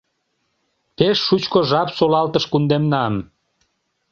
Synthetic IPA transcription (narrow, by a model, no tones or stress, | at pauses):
peʃːut͡ɕkoʒɑpsolɑlt̪əʃkund̪emnɑm